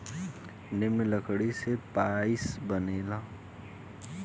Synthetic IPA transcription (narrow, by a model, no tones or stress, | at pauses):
nɪmeləkɽisepaisbəneːla